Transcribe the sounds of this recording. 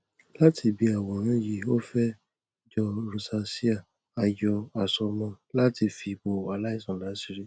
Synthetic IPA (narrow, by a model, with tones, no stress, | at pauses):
la˦tʰi˧bi˧˦a˨wɔ˨ɾ̃ã˨˦ji˧˨o˦fɛ˦ | d͡ʒɔ˧ɾo˧sa˧si˦a˦˨ | a˧jɔ˧a˨sɔ˧mã˧ | la˦ti˧fi˧ɡ͡bo˨a˨la˦i˦˨sã˨la˨˦si˦ɾi˦